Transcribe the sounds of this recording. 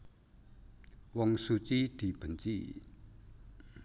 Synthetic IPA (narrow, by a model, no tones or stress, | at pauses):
wɔŋsut͡ɕid̪̥ib̥ənt͡ɕḭ